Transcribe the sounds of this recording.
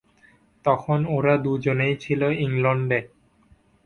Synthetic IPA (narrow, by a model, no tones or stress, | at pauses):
t̪ɔkʰonoɾad̪ud͡ʑonejt͡ɕʰiloiŋlɔɳɖe